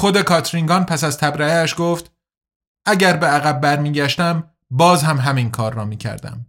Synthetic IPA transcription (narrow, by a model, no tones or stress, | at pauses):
xod̪e̞kʰɒːt̪ʰɾiŋɡɒːnpʰæsæzt̪ʰæbɾææʃɡoːft̪ | ʔæɟæɾbeæɣæbːæɾmiːɟæʃt̪æm | bɒːzhæmɦæminkʰɒːɾːɒːmiːcʰæ̰ɾd̪æ̰m